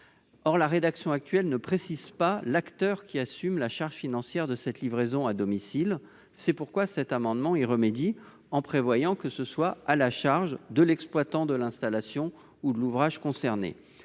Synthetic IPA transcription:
ɔʁlaʁed̪aksjɔ̃ak̚t̪ɥɛlnəpχesizpalakt̪œʁkʲiasymlaʃaʁʒfinɑ̃sjɛʁd̪əsɛt̪livʁezɔ̃ad̪ɔmisil | sɛpuʁkwasɛt̪amɑ̃d̪mɑ̃iʁəmed̪i | ɑ̃pχevwajɑ̃kəsəswaalaʃaʁʒd̪əlɛksplwat̪ɑ̃d̪əlɛ̃st̪alasjɔ̃ | ud̪əluvʁaʒkɔ̃sɛʁnḛ

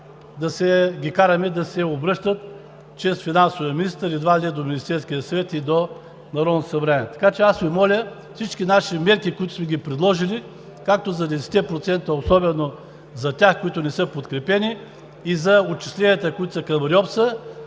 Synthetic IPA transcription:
d̪ɐsɛɡʲikaɾɐmɛd̪ɐsɛobɾɤʃt̪ət̪ | t͡ʃɾɛsfinansʊvijəmʲinist̪əɾid̪vad̪ɛd̪ominʲist̪ɛɾskijəsɐvɛt̪id̪o | nɐɾɔd̪t̪sɐvɾɛɛɛt̪ɐ̥kat͡ʃɛasmimɔlʲə | fsit͡ʃkʲinaʃimɛɾkikoʊit̪ʊ̥smɛɡʲipɾɛd̪lˠɔʒili | kak̚t̪ozɐd̪ɛsɛ̥t̪ɛpɾot̪sɛnt̪əosɔbɛno | zɐt̪ʲaxkoit̪ʊnɛsɤpot̪kɾɛpɛniː | zɐot͡ʃi̥slʲɛnijət̪əkoit̪ʊ̥sɐkɐmɾʲɔpsə

